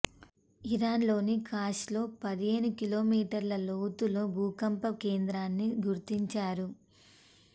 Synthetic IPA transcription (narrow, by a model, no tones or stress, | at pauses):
iɾaːnlo̞ːnikʰaːʂlo̞ːpɐd̪ieːnukilo̞ːmiːʈɐɾlɐlowt̪uloːbʱuːkɐmpɐkeːnd̪ɾaːnːiɡuɾt̪iɲt͡ʃaːɾu